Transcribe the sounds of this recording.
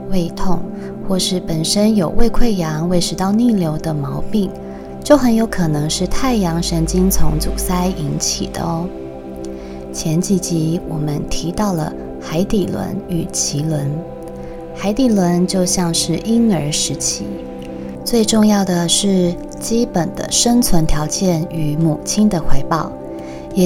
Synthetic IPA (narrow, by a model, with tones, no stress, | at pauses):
we˥˧ɪt̪ʰʊ˥˧ŋ | xwɔ˥˧ʂɻ̩˥˩pə˨˩nʂə˥njo˨˩ʊwʔe˥˧ɪkʰwe˥˩ɪjɑ˧˥ŋwe˥˩ɪʂɻ̩˧˥t̪ɑ˥˧ʊni˥˩ljo˧˥ʊd̪ə˧mɑ˧˥ʊpi˥˩ŋ | t͡ɕjo˥˩ʊxə˧˥njo˧˥ʊkʰɤ˨˩nɤ˧˥ŋʂɻ̩˥˧t̪ʰa˥˩ɪjɑ˧˥ŋʂə˧˥nt͡ɕi˥ŋt͡sʰʊ̰˧˥ŋt͡su˨˩sa˥ɪʔi˧˥nt͡ɕʰḭ˨˩d̪ə̰˦ | t͡ɕʰjɛ˧˥nt͡ɕi˧˨˩t͡ɕi˧˥wɔ˨˩mə˦nt̪ʰi˧˥t̪ɑ˥˩ʊlə̰˩ | xa˧˥ɪt̪i˨˩lwə̰˧˥ny˨˩t͡ɕʰi˧˥lwə˧˥n | xa˧˥ɪt̪i˨˩lwə˧˥nt͡ɕjo˥˧ʊɕjɑ˥˧ŋʂɻ̩˥˩ʔi˥nə˞˧˥ʂɻ̩˧˥t͡ɕʰi˧˥ | t͡swe˥˧ɪʈ͡ʂʊ˥˧ŋjɑ˥˩ʊd̪ə˩ʂɻ̩˥˩ | t͡ɕi˥pə˨˩nd̪ə̰˦ʂə˥ŋt͡sʰwə˧˥nt̪ʰjɑ˧˥ʊt͡ɕjɛ˥˩ny˧˥mu˨˩t͡ɕʰi˥nd̪ə˨xwe˥ɪpɑ˥˩ʊ | jɛ˨˩